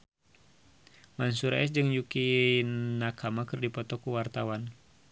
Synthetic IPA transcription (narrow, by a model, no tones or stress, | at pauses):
mansuɾa̰ɛsd͡ʒɨŋjuki | nakamakɨrdipɔt̪ɔkuwart̪awan